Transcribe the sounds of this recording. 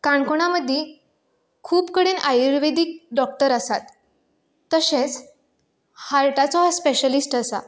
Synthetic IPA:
kaɳkoɳ̃aməd̪ʱːe | kʰuːpkəɽenajɾʋed̪ik̚ɖɔk̚ʈəɾəsat̪ː | əsẽt͡s | haɾʈat͡sɔaspeɕəlisʈəsa̰

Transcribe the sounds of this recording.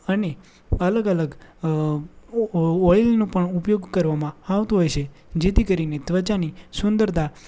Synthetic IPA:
əne | ələɡələɡ | ɔjlnõpəɳupjoɡkəɾʋamãaʋt̪uɦojt͡ʃʰe | d͡ʒet̪ʰikəɾined̪ʋət͡ʃanisʊnd̪əɾt̪ʰa

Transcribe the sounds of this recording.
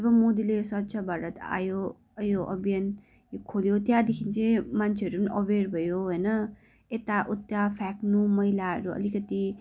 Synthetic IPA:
ʌbʌmod̪ilejosʌt̪sʰʌbʱaɾʌt̪a̰jo | joʔʌ̰bijʌn | jokʰoljot̪jad̪ekʰint͡sʰʌjmant͡sʰeɦʌɾupʌniʔʌberbʱʌjoɦojnʌ | et̪aʔut̪japʰɛknumʌɦilaɦʌ̰ɾuʌ̰likʌt̪i

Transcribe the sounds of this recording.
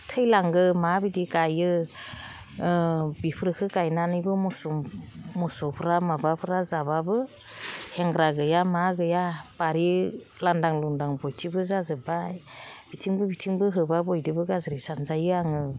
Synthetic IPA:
tʰɯjlaŋɡɯmabidikajɯ | bipʰɾɯkʰɯkajnanɯjbɯmɔsɔmɔsɔpʰɯɾamabapʰɯɾazababɯ | heŋɡɾaɡɯjamaɡɯjab̥aɾi | landaŋluŋdaŋbɔjtʰibɯzazɯbajb̥itʰiŋbɯbitʰiŋbɯɦɯbabɔjdɯbɯɡazɾisanzajɯaŋɯ

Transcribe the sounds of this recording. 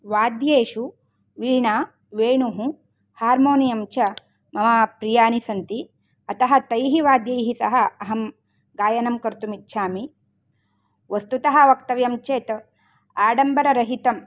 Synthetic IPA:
ʋaːd̪jeːʃu | ʋiːɳaː | ʋeːɳuɦũ | haːɾmoːnijɐmt͡ʃɐ | mɐmɐpɾijaːnisɐnt̪i | ɐt̪ɐɦɐt̪ɐjɦiʋaːd̪jɐjɦisɐ̰ɦɐɐɦɐm | ɡaːjɐnɐmkɐɾt̪umit̪ːʃʰaːmi | ʋɐst̪ut̪ɐɦɐ̆ʋɐkt̪ɐʋjɐmt͡ʃeːt̪ | aːɖɐmbɐɾɐɾɐɦit̪ɐm

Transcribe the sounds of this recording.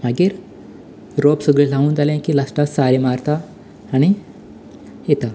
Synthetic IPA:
maɡiːɾ | ɾopsəɡɭelaɦũːnd͡zalẽkilasʈassaɾemaɾt̪aː | ɽ̃i | jet̪a

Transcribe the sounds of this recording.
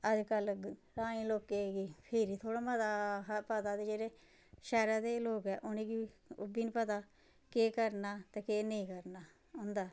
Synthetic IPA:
əd͡ʒkəl | ɾaːnĩːloːkeːɡiːpʰɪɾiːt̪ʰoːɽaːmət̪aːpət̪aːd̪eːd͡ʒeːɾeː | ʃɛːɾaːd̪eːloːkɛːʔʊnẽːɡiːʊbiːnpət̪aː | keːkəɾnaːt̪eːkeːnəĩːkəɾnaː | ɦʊ̃ːnd̪aː

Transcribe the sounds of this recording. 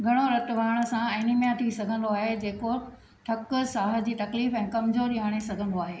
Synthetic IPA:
ɡʱɐɽ̃oɾɐt̪ʊʋʱaːɽ̃ə̆sãẽnɪmjãt̪ʰisɐɡʱə̃nd̪oaːɦed͡ʑeːko | ʈʰɐkʊsaːɦə̆d͡ʑiːt̪ɐkliːfɛ̃ːkɐmzoɗiɦaːɽ̃esɐɡʱə̃nd̪oaːɦeː

